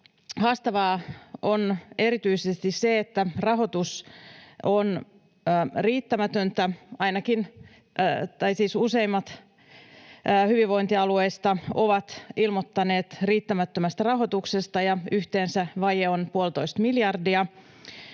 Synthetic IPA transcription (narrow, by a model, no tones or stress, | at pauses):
hɑːst̪ɑʋɑːo̞ne̞ɾit̪yisest̪isseet̪ːærɑɦo̞t̪us | onː | riːt̪ːæmæt̪ønt̪æɑjnɑkin | t̪ɑjsiːsuse̞jmːɑt̪ | hyʋiʋo̞int̪iɑluejst̪ɑo̞ʋɑt̪ilmot̪ːɑne̞ːt̪riːt̪ːæmæt̪ːømæst̪ærɑɦot̪uksest̪ɑjɑyht̪eːnsæʋɑjeonpuolt̪o̞ist̪miljɑrdiɑ